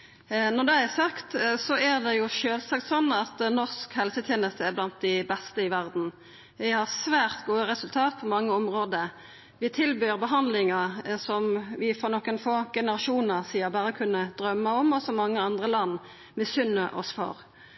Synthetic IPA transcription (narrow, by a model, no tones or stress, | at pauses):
nɔʁd̪ɛæsɑkt̪sɔæʁd̪ɛjʊʃøːlsɑk̚t̪sɔnːɑt̪nɔskhɛlsət̪ʰjeːnəst̪əæblɑnt̪̚d̪æbɛst̪əɪʋæʁd̪n̩ | ʋɪhɑʁsʋæːʁt̪ɡuːəɾɛsʉlt̪ʰɑːt̪̚pʰɔmɑŋːəɔmʁoːd̪ə | ʋɪt̪ʰɪlbyːʁbəɦɑnd̪lɪŋɑsɔmʋɪfɔnɔkːənfoːɡɛnəʁɑʃuːnəʁsiːəbɑːʁəkʰʉnːəd̪̥ɾœmːəɔmɔsɔmːɑŋːəɑnd̪ʁəlɑnː | mɛsʏnəʔɔ̰sfɔ̰ɾ